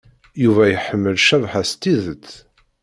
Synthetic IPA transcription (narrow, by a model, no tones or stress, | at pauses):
juvæjəħəmːəlʃævħast̪iðət͡sː